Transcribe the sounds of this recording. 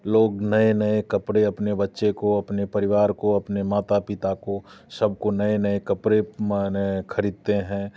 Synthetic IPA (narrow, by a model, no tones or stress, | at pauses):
loːɡnɐenɐekɐpɾeɐpnebɐtːʃekoɐpnepɐɾɪʋaːɾkoɐpnemaːt̪apɪt̪akosɐbkonɐenɐekɐpɾemnekʰɐɾiːd̪̚t̪eɦɛ̃ː